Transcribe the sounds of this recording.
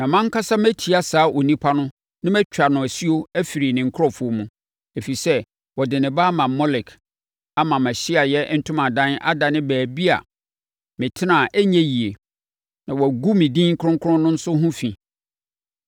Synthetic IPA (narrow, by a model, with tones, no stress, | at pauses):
mã˨mã˦ŋ˦kʰa˦sa˦mæ˦tʰi˨a˨saː˨˦ʔo˨nĩ˦pʰa˦nʊ̃˦ | nɪ̃˦mæ˦t͡ɕᶣa˨nʊ̃˨æ˨si˦o˦æ˦fi˨ɾi˨nɪ̃˨ŋ̩˦kʰʊ˦ɾɔ˦fʊ˨o˨mũ˨ | e˨fi˨sɛ˦ | wɔ˨dɪ˨nɪ̃˨baː˦mã˨mɔ˦lɪ˨k | a˨mã˨mæ̃˨ɕɪ˦a˨jɛ˦n̩˦tʰʊ̃˦mã˨dã˦nʔa̰˦da˨nɪ̃˦bæː˨bi˦a̰˨ | mɪ̃˨tʰɪ˦nã˨ʔæ˦ɲɛ̃˦ji˨e˨ | nã˨wɔ˨æ˨ɡu˦mɪ̃˨dĩ˦ŋ̩˦kʰɾʊ̃˦ŋkʰʊ˦ʊ̃˦nʊ̃˦n̩˦sʊ˦ɦũ˦fĩ˨